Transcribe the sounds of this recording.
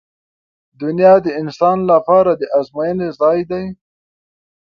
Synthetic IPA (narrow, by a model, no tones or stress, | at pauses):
d̪ʊnjɑd̪əɪnsɑnlapɑɾad̪əʔazmajənezɑjd̪aj